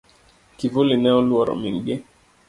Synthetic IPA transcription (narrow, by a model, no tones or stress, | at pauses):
kivulinɛɔlwɔɾɔ̰miŋɡi